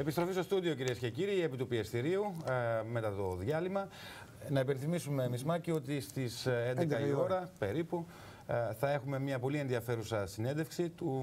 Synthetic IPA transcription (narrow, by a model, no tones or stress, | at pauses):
e̞pist̪ɾo̞fist̪ost̪uðio̞ciɾiesce̞ciɾiepit̪upiest̪iɾiume̞t̪ɐt̪o̞ðʝɐlimɐ | nɐipe̞nθimisume̞mizmɐcio̞t̪ist̪isend̪ed̪ɐio̞ɾɐpe̞ɾipu | θɐe̞xume̞mɲɐpo̞lie̞nðiɐfe̞ɾusɐsine̞nd̪efksit̪u